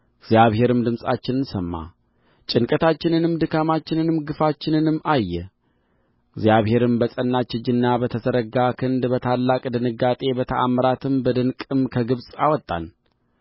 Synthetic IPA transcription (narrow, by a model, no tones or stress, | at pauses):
ɪɡzjaβhe̞ɾɨmd̪ɨmsʼa̰t͡ʃːɪnɨnsəmːa̰ | t͡ʃʼɪnkʼət̪ʰat͡ʃːɪnɨnɨmd̪ɨkʰamat͡ʃːɪnɨnɨmɡɨfat͡ʃːɪnɨnɨmːajːɛ | ɪɡzijaβhe̞ɾɨmbəsʼənːat͡ʃːɨd͡ʒɨnːabət̪ʰəzəɾəɡakʰɨnd̪bət̪ʰalːakʼd̪ɨnɨɡat̪ʼe̞bət̪ʰəʔa̰mːəɾat̪ʰɨmbəd̪ɨnkʼɨmkʰəɡɨβsʼawɔt̪ʼːa̰n